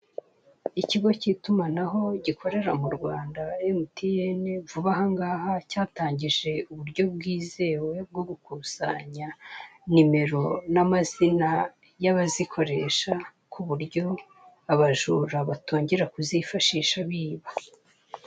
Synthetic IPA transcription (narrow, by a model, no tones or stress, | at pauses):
iciɡo̞citumanaɦo̞ɟikʰo̞ɾe̞ɾamuɾɡwaːndaemutijenevuβaɦaŋɡaːhacaːtaːɲɟiʒe̞uβuɾɟo̞b̚ɡwiːze̞ːwe̞b̚ɡo̞ɡukusa̰ɲanime̞ɾo̞namazina | jaβazikʰo̞ɾe̞ʃa | kʰuβuɾjo̞ | aβaʒuːɾaβatoːɲɟe̞ɾakuzifaʃiːʃaβiːβa